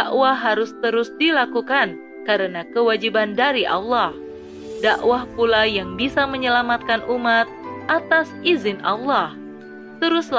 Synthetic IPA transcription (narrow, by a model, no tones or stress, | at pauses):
daʔwaɦaɾʊst̪əɾʊsdilakukan | kaɾənakəwad͡ʒibandaɾiʔa̰lːah | daʔwahpulajaŋbisaməɲəlamat̪̚kanʔumat̪̚ʔat̪asizɪna̰lːah | t̪əɾʊs